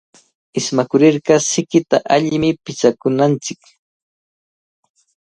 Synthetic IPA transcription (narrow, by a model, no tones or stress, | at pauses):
ɪsmakʊɾɪɾɢɑsɪkɪt̪aʔaʎɪmɪpɪt͡ʃakʊnant͡sɪk